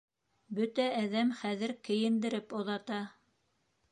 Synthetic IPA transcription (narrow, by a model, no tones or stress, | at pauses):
bɵt̪æːðæmχæðɘɾkɘ̆jɘ̆nd̪ɘ̆ɾɘpŏðɑt̪ɑ